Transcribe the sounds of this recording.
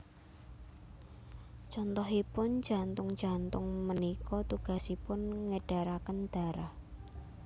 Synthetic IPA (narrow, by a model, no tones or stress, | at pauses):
t͡ʃɔnt̪ɔɦipʊn̥d͡ʒ̥a̤nt̪ʊŋ̥ant̪ʊŋmənikɔt̪uɡ̥a̤sipʊnŋəɖ̥a̤ɾakənd̪̥a̤ɾah